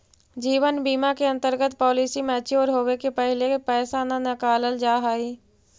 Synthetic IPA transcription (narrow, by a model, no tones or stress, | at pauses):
d͡ʒiːʋənbiːmakeɐ̃nt̪əɾɡət̪pɔːliːsimẽət͡ʃʰioːɾɦoːwekepəɦɪlepɛːsananɐkaːləld͡ʒaːɦaːiː